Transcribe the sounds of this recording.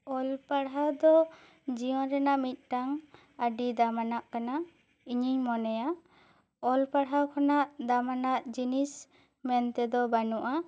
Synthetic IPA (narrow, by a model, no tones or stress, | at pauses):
ɔlpaɽɦad̪ɔ | d͡ʒiɔ̃ɾɛnaʔmit̪̚ˀʈaŋ | aɖid̪amanaʔkana | iɲiɲmɔnɛja | ɔlpaɽawkʰanaʔd̪amanaʔd͡ʒinis | mɛnt̪ɛd̪ɔbanuʔa